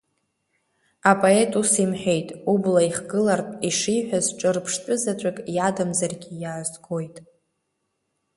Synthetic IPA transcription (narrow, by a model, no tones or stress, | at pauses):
apʼoe̞tʼusimħᶣe̞jtʼublaiχɡɨlartʼiʂiħʷᶣazʈ͡ʂʼɨrpʰʂt͡ʃʷʼʊzat͡ʃʷʼakʼjadɨmzarɡʲijaʕzɡo̞jtʼ